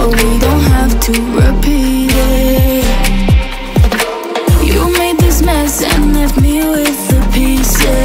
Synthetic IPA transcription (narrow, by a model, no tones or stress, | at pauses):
widõʊ̃nt̚ɦæftʰɨɹɪpʰi | jɨmeɪd̪̚ðɪsmɛsɨ̰̃nlɛft̚miwɪðɨpʰis